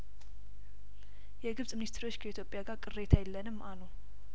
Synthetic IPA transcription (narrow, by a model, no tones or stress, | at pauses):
jɛɡɨβsʼmɨnist̪ʰɾwo̞t͡ʃːkʰəit̪ʰjo̞pʼːjaɡaɾkʼɨre̞t̪ʰajɛlːənɨmːanow